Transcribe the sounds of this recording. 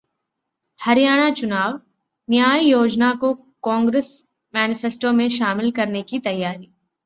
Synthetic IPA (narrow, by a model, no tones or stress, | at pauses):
hɐɾɪjaːɽ̃at͡ʃʊnaːʋ | njaːjijoːd͡ʒnako | kãːŋɡɾes | mɛːnɪfesʈomẽʃaːmɪlkɐɾnekit̪ɐjːaːɾiː